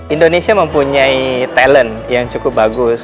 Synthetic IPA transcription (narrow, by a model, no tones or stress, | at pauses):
indonesiaməmpuɲait̪ɛlən | jaŋt͡ʃukʊp̚baɡʊs